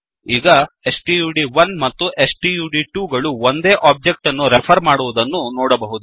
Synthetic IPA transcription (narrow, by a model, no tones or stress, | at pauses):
iːɡɐ | esʈiːjuːɖiʋɐnmɐt̪ːuʔesʈiːjuːɖiʈuːɡɐɭuond̪e̞ːʔaːb̚d͡ʒek̚ʈɐnːuɾepʰɐɾmaːɽuʋud̪ɐnːunɔːɽɐbɐɦud̪u